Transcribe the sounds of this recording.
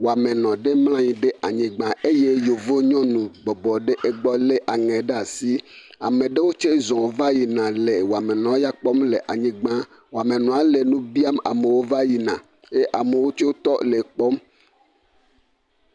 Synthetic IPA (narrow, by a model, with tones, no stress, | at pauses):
wo˨a˨mẽ˨nɔ̃˨ɖe˦ml̃ã˦ɲĩ˨ɖe˦ʔa˨ɲĩ˨ɡ͡bã˦e˦je˦jo˨vo˦ɲɔ̃˦nũ˨bɔ˨bɔ˨ɖe˦ʔe˦ɡ͡bɔ˦le˦ʔa˨ŋɛ̃˨ɖe˦a˨si˦a̰˨mẽ˨ɖe˦wo˦t͡ʃe˦zɔ̃˨wo˦va˦ji˨nã˨le˨wo˨a˨me˨nɔ̃˨˦ja˦k͡pɔ˦mle˨ʔa˨ɲĩ˦ɡ͡bã˦ | wo˨a˨me˨nɔ̃˨a˨le˨nũ˦bi˦a˦ma̰˨me˨wo˦va˦ji˨nã̰˨ | je˦ʔa˨me˨wo˦t͡ʃo˦t̪ɔ˦le˨k͡pɔ˦m